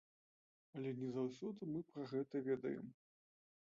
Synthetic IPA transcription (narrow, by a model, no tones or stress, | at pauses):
ɐlʲɛnʲɛzawsʲɔd̪ɨmɨpɾɐɣɛt̪ɐvʲɛd̪ɐ̰jɛ̰m